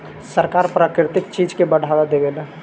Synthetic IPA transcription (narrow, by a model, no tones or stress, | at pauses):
səɾkaːɾpɾaːkɾɪt̪ɪkt͡ʃiːd͡ʒkebəɽ̤ʱad̪ad̪eɡel